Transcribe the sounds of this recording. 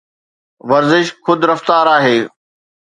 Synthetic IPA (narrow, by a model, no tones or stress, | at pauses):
ʋɐɾzɪʃxʊd̪ɾɐft̪aːɾaːɦeː